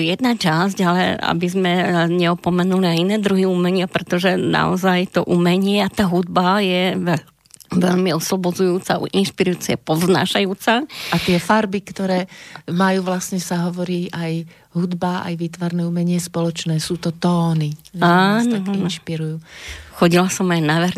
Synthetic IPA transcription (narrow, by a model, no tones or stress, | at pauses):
jɛd̪̚nat͡ʃazɟalɛa̰bizmɛɲɛɔpɔmɛnuliainɛːd̪ɾuɦiumɛɲɪapɾɛt̪ɔʒɛna̰ɔ̰zajt̪ɔʔumɛɲɪɛat̪aːɦud̪̚bajɛʋɛ | ʋɛʎmiɔslɔbɔd͡zujuːt͡saʔṵʔinʃpiɾujuːt͡sɛpɔvzna̰ːʃajuːt͡saʔat̪ɪɛfaɾbikt̪ɔɾɛːmajuːʋlasɲɛsaɦɔʋɔɾiːʔaj | ɦud̪baa̰jʋiːt̪ʋaɾnɛːumɛɲɪɛspɔlɔt͡ʃnɛːsuːt̪ɔt̪ɔːniʒankinʃpiɾujuːxɔɟilasɔmajnaʋɛɾ